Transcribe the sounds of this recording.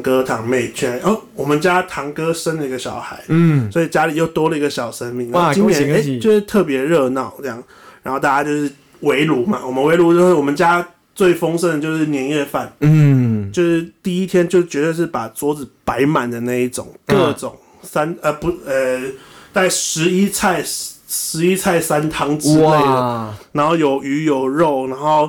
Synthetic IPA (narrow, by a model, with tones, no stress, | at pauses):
ŋkɤ˦t̪ʰɑ˨˩ŋme˥˩ɪt͡ɕʰɛ˥n˨˧ə˥˩wɔ˨˩mə˨˦nt͡ɕja˦t̪ʰɑ˧˥ŋkɤ˥ʂə˥nd̪ə˨i˧ɡə˧ɕjɑ˨˩ʊxa˧˦ɪswɔ˧˥i˨˩t͡ɕja˥li˨˩jo˥˩ʊt̪wɔ˥lə˨i˧˥ɡə˧ɕɑ˨˩ʊʂə˦˥nmi˧˩ŋna˧˥t͡ɕi˥njɛ˧ne˥ɪjo˥˧ʂɻ̩˥˩t̪ʰɤ˥˩p̬jɛ˧˥ɻɤ˥˧nɑ˥˩ʊnə˥˧jɑ˥˩ŋ | ɻa˧˥nxo˥˧ʊt̪a˥˩ja˥t͡ɕjo˥˧ʊʂɻ̩˥˩ | we˧˥ɪlu˧˥ma˨wɔ˨˩mə˦nwe˧˥ɪlu˧˥t͡ɕjo˥˧ʊʂɻ̩˥˩wɔ˨˩mə˨nt͡ɕja˦ | t͡swe˥˩ɪfo˥ŋʂə˥d̪ə˨˩t͡ɕjo˥˧ʊʂɻ̩˥˩njɛ˧˥njɛ˥˧fa˥˨n | t͡ɕjo˥˧ʊʂɻ̩˥˩t̪i˥˩i˦˥t̪ʰjɛ˥nt͡ɕjo˥˧ʊt͡ɕɥɛ˧t̪we˥˧ɪʂ̬ɻ̩˥˩pa˨˩t͡swɔ˧˥t͡sɹ̩˨˩pa˧˦˥ɪma˨˩nd̪ə˩na˥˧ɪi˥˩ʈ͡ʂʊ̰˨˩˦ŋkɤ˥˧ʈ͡ʂʊ˨˩ŋ | sa˦nə˧˩pu˧˦ə˧t͡sa˥˩ɪʂɻ̩˧˥i˦˥t͡sʰa˥˧ɪʂɻ̩˧˥i˦˥t͡sʰa˥˩ɪsa˦nt̪ʰɑ˧˥ŋʈ͡ʂɻ̩˥e˥˩ɪdə˩na˧˦˥nxo˥˩ʊjo˨˩ʊʔy˧˥jo˨˩ʊɻo˥˨˩ʊna˧˥nxo˥˩ʊ